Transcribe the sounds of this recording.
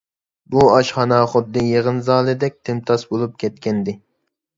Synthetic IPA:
buɑʃχɑnɑχʊd̪ːɨjeʁənzɑːlˠɨd̪ɛk̚ʲt̪ʰɪmt̪ʰɑsbolˠup̚kʲʰɛt̪̚kʲɛnd̪ɪ

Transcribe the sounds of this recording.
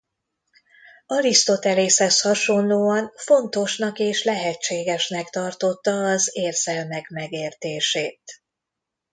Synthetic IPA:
ɒɾist̪o̞t̪ɛleːshɛshɒʃo̞nloːɒnfo̞nt̪o̞ʃnɒkeːʃlɛɦɛt͡ʃːeːɡɛʃnɛkt̪ɒrt̪o̞t̪ːɒːzeːrzɛlmɛkmɛɡeːrt̪eːʃeːt̪

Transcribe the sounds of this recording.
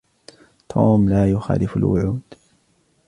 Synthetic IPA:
t̪ʰuːmlaːjʊxa̰ːlɪfalwʊ̰ʕuːd̪̥

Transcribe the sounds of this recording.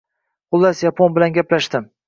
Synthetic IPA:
qʊlˠːasjapʰonbɪlanɡʲaplaʃt̪ɪm

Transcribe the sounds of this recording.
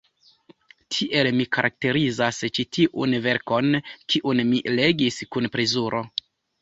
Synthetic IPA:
tʰiʔe̞lmikaɾʔak̚te̞ɾizast͡ʃitʰiʔṵnve̞ɾko̞nkʰiʔunmile̞ɡiskunpɾezuɾʔo̞

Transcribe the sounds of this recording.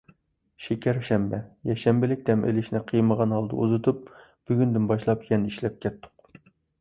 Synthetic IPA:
ʃekʲɛɾʃɛmbɛjɛʃɛmbɪlɪk̚ʲd̪ɛmʔḛlɪʃnɪqʰijməʁɑnhɑlˠd̪ɨ̰uzut̪ʰup̚b̥yɡʲynd̪ynbɑʃlˠɑpjɛnɪiʃlɛp̚kʲɛt̪ʰːʊ̥q

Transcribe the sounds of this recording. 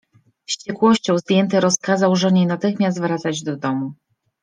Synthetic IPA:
fɕt͡ɕɛkwɔɕt͡ɕɔ̃w̃zd̪ʲjɛnt̪ɘɾɔskazawʐɛɲejnat̪ɘxmʲas̬t̪vɾat̪sad͡ʑd̪ɔd̪ɔmu

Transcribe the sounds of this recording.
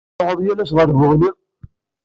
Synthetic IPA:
həðˤjælæʃ̬ʁəɾvʊʁni

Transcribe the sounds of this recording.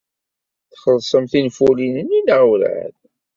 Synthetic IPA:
θχəlsˤəmθinfulinəninəʁuɾʕə̰ð

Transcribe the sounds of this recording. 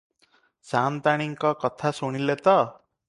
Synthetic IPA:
sant̪aɽ̃iŋkakʌt̪ʰasoɽ̃ilet̪ʌ

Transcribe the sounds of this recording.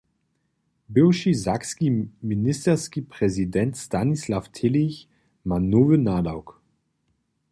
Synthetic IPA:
bɪwʃizakskiminɪstɛʁskipʁ̥ɛzidɛntstanislaftʰɪliç | manoːvənaːdaʊk

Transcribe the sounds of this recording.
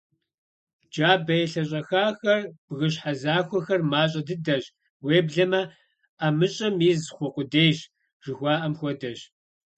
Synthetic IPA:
d͡ʒaːbɐjɛɬɐɕʼɐxaːxɐrb̥ɣɨɕħazaːxʷɔxɐrmaːɕʼɐdɨdɐɕ | weːbɮɐmɐ | amɨɕʼɐmizxʷɔqʷʊdeːjɕ | ʐ̥ɨxʷɑːʔɐmxʷɔdɐɕ

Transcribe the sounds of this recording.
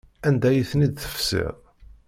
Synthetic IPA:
ænd̪æjiθnid̪̚θə̥fsɪ̰ðˤ

